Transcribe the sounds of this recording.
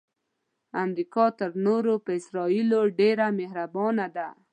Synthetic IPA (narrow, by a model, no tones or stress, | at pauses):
amɾikɑt̪əɾnoɾopəɪsɾɑiloɖeɾameɦɾabɑnad̪a